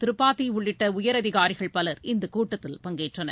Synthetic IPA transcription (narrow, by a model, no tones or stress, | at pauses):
t̪ɪɾɯpːaːt̪ːiʊɭːɪʈːɐʊjɐɾɐðɪɣaːɾɪɣɐɭpɐlɐɾɪnd̪ɐkuːʈːɐt̪ːɪlpɐŋɡeːʈrɐnɐɾ